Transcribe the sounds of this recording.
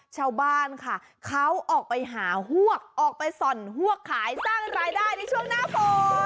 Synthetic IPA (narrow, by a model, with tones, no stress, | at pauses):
t͡ɕʰaː˧wbaː˥˩nkʰa˥˩ | kʰa˦˥wʔɔː˨˩k̚pa˧jɦaː˩˦ɦu˥˩ək̚ʔɔː˨˩k̚pa˧jsɔ˨˩nɦu˥˩əkʰːaː˩˦jsaː˥˩ŋɾaː˧jdaː˥˩jna˧˥˩jt͡ɕʰu˥˩əŋnaː˦˥˩pʰɔː˩˨˩